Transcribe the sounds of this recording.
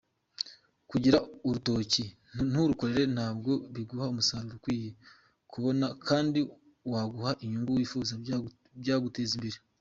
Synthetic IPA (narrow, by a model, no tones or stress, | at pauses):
kuɟiɾauɾuto̞ːci | n̥huɾuko̞ɾe̞ɾe̞n̥haːbɡo̞βiɡuhaumusaɾuɾukwiːje | kuβo̞nakʰaːndi | waɡuhaʔiɲuŋɡuwiːfuːza | bɟaːɡutezimbeɾe